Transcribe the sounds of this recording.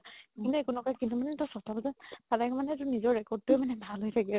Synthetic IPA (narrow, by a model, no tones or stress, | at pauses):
kkintuekunɔkakintumanɛtɔsɔtʰabɔzatatakɔmanɛtʊnizɔɹɹɛkɔɹd̚tujmanɛbʱalɦojtʰaki